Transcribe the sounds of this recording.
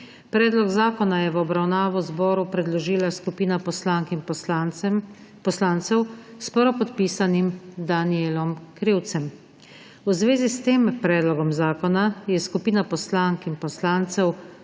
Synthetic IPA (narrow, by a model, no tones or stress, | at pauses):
pɾɛːd̪lɔɡzaːkɔnajɛʋɔbɾawnaːʋɔzbɔːɾupɾɛd̪lɔʒiːlaskupiːnapslaŋki | pɔslaːnt̪sɛwspɔɾɔpɔt̪piːsanimd̪anielɔmkɾiwt̪sɛm | uzʋeːzist̪eːmpɾɛːd̪lɔɡɔmzaːkɔnajɛskupiːnapɔslaŋkinpɔslaːnt̪sɛw